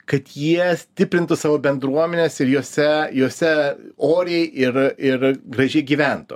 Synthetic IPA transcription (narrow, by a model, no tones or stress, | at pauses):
kɐt̪jiɛsʲt̪ʲɪpʲɾʲɪnt̪ʊsɑːʋoːbʲɛnd̪ɾuɔmʲɛnʲeːsɪɾjoːsʲɛjoːsʲɛoːɾʲɪjɛɪʔɪrɪrɡɾɐʒʲɛɪɡʲiːʋʲænt̪ʊ̰